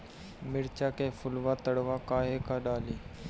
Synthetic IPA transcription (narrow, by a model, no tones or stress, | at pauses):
mɪɾt͡ʃaːkẽːfʊlʋaːt̪əɽʋaːkaːɦeːkaːɗaːliː